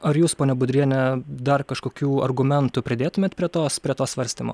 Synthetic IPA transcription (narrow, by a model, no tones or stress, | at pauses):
ɐɾjuːspoːnʲɛbʊd̪ʲɾʲiɛnʲɛd̪ɐrkɐʃkoːkʲuːɐ̰rɡʊmʲɛnt̪ʊpʲɾʲɪd̪ʲeːt̪ʊmʲeːt̪pʲɾʲiɛt̪oːspʲɾʲiɛt̪oːsʋɐɾʲsʲt̪ʲiːmo̰ː